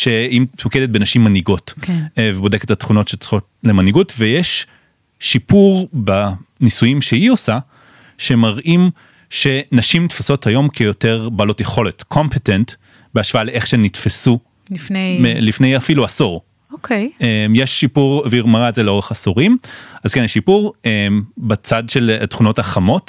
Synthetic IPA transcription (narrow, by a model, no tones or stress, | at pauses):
ʃeimtmokedet̚benaʃimːaniɡo̞tkvebo̞de̞ketatχuno̞tʃet͡sχo̞tlemaniɡutvejeʃː | ipuʁbanisujimʃeio̞sa | ʃemaʁʔim | ʃe̞naʃimtfaso̞thajo̞mkʰejo̞te̞ʁbalo̞tjeχo̞le̞tkʰo̞mpetent | beaʃv̥aaleʔeχʃenitfesu | emelifnejafiluasoʁ | okʰejemjeʃːipuʁviʁmaʁazeleo̞ʁeχasoʁimazkenjeʃipuʁembat͡sadʃe̞ltχuno̞thaχamo̞t